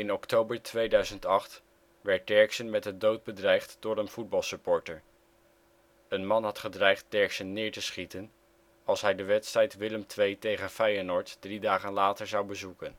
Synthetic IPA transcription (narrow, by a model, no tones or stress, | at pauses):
ɪnɔktowbəɹtʰʋejdœɥzəntɑχt | ʋɛɹt̚dɛɹksənmɛtdədowt̚bədrɛjχtd̥ʊːɹənv̥ud̚bɑlˠsəpɔɹtəɹ | ənmɑnɦɑtχədrɛjχt̚dɛɹksənːɪːɹtəsχitən | ɑlˠsɦɛjdəʋɛtstrɛjtʋɪləmtʋejtejχənfɛjənɔɹtd̥ridaːχənlaːtəɹzɑwbəzukən